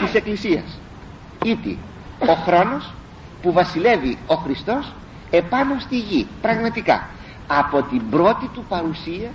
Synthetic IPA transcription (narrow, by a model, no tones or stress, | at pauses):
t̪ise̞klisiɐ̰s | it̪ḭ | o̞xɾo̞no̞s | puvɐsile̞vio̞xɾist̪o̞s | e̞pɐno̞st̪iʝipɾɐɣmɐt̪ikɐ̰ | ɐpo̞t̪imbɾo̞t̪it̪upɐɾusiɐ